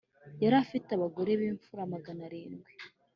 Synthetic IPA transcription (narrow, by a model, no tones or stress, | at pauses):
jaɾafitaβaɡo̞ɾe̞βiːɱfuɾamaɡanaɾiːnɡwe